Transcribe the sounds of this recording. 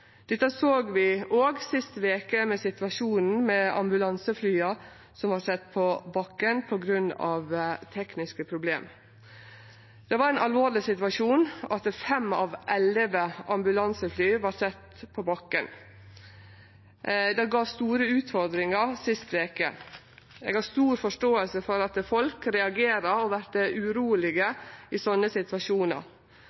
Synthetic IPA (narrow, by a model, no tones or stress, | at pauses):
d̪̥ɛt̪ːəsoːɡʋɪʔoːɡsɪst̪ʋeːkəmɛsɪt̪ʋɑʂuːnn̩mɛɑ̰mbʉlɑnsəflyːɑ | sɔmʋɑːɾsɛt̪ːpʰɔbɑkːənpʰɔɡɾʉnɑ̰ʋt̪ʰɛknɪskəpʰɾʊblḛːm | d̪̥ɛʋɑɾɛnʔɑlʋoːɾɭɪsɪt̪ʋɑʂuːnɑt̪̚ɛfɛmɑ̰ʋʔɛləʋəɑmbʉlɑnsəflyːʋɑɾsɛt̪ː | pʰɔbɑkːən | d̪ɑɡɑːʋst̪uːɾəʉːt̪fɔɾd̪ɾɪŋəɾsɪst̪ʋeːkə̰ | ɛ̰ɡhɑst̪uːɾfɔʂʈoːəlsəfɔɾɑt̪fɔlkɾɛɑɡeːɾəɾɔʋæɾt̪əʔʉɾuːəlɪɡəɪsɔnːəsɪt̪ʋɑʃuːnə̰ɾ